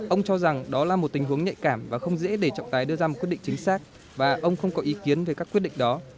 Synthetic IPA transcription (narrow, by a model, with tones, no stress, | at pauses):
ʔə˧wŋ͡mt͡ɕɔ˧za˨˩ŋɗɔ˨˦laː˨˩mo˨˩t̚t̪i̟˨˩ɦu˨˦əŋɲə̰˧˨jkaː˧˩mvaː˨˩xə˧wŋ͡mzḛ˧˥ɗe˧˩t͡ɕɔ̰˧˨ŋ͡mt̪aː˨˦jɗɨ˧əzaː˧m̚˨˩kwɗḭ˧˨ŋt͡ɕï˨˦ŋ̟saː˦˥k̚ | vaː˨˩ʔə˧wŋ͡mxə˧wŋ͡mkɔ˨˦ʔi˨˦ki˨˦ənve˨˩kaː˦˥kwi˦˥t̚ɗḭ˧˨ŋ̟ɗɔ˨˦